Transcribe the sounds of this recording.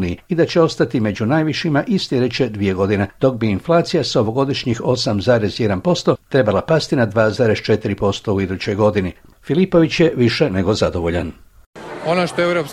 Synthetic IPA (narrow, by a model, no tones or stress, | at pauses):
niiid̪at͡ɕe̞o̞st̪at̪ime̞d͡ʑunajʋiʃimaʔisljʲed̪et͡ɕe̞d̪ʋije̞ɡo̞d̪ined̪̥o̞k̚biːnflˠaːt̪sijasaoʋo̞ɡo̞d̪iʃɲixo̞samzaːɾe̞zjed̪anpo̞st̪o̞t̪ɾe̞balapast̪inad̪ʋaːzaːɾe̞st͡ʃe̞t̪iɾipo̞st̪o̞uid̪ut͡ɕo̞jɡo̞d̪ini | filipo̞ʋit͡ɕjeʋiʃe̞neɡo̞zad̪o̞ʋo̞ʎa̰n | onoʃt̪oewɾop